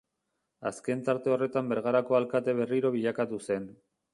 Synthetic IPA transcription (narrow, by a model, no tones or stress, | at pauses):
aske̞nt̪aɾt̪e̞o̞re̞t̪ambe̞ɾɣaɾako̞alkat̪e̞β̞e̞riɾo̞β̞iʎakat̪use̞n